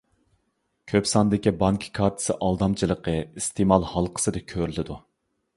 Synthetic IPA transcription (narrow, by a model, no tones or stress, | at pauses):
kʲʰøpsɑnd̪ɪkʲibɑŋkʲʰkʰɑɾt̪ʰɨ̥sɨʔɑlˠd̪ɑmt͡ʃʰilˠəqəist̪ʰemɑlˠhɑlˠqʰə̥sɨd̪ɨkʲʰøɾylɪd̪u